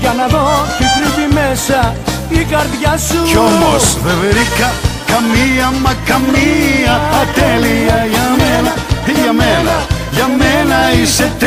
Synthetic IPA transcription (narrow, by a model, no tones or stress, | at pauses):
ʝɐnɐðocek̪ɾivimesɐ | ikɐɾðʝasuomosðeveɾikɐkɐmiɐmɐkɐmiɐɐt̪eliɐjamenɐ | iʝɐmenɐ̰ʝamenɐiset̪